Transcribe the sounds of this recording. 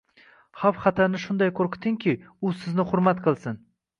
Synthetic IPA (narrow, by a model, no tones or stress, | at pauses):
hafχɑt̪ʰaɾnɪʃʊnd̪ajkʰɵɾkʲʰɪ̥t̪ʰɪŋkʲʰi | ʊsɪznɪχʊɾmat̪qʰɨlˠsɪn